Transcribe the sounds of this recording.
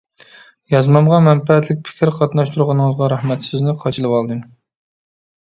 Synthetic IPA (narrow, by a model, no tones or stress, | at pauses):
jɑzmɑmʁɑmɛnpɛɛt̪lɪk̚ʲpʰɪ̥kʲʰɪɾqʰɑt̪nɑʃt̪ʰuɾʁɑnɨŋɨzʁɑɾɑhmɛt̪sɪznɪqʰɑt͡ʃʰilˠɨwɑlˠd̪ɨm